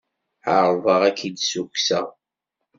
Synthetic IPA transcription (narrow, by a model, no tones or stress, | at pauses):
əɾˤvəʁækʰid̪suksæ